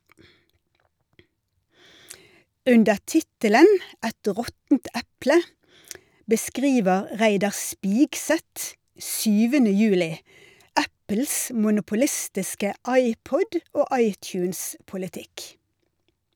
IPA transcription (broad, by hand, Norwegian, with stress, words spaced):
ˈʉndə ˈʈɪtələn ˈɛt ˈʁɔtn̩t ˈæplə bəˈskʁiːʋəʁ ˈʁæɪdɑʁ ˈspɪɡsɛt ˈʃyːʋənə ˈjʉːlɪ ˈæpl̩s mʊnʊpʊˈlɪstɪskə ˈɑɪˌpɔd ˈoː ˈʔɑɪˌtjʉːns pʊlɪˈtɪk